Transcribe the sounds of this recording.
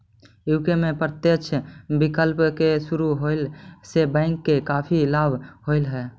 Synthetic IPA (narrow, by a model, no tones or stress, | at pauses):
ɪwkemẽpɾət̪jəkt͡ʃʰbɪkəlpkesʊɾuɦoɪlsebɛ̃ɪŋkːekaːpʰilaːbʱhoɪlɦɛː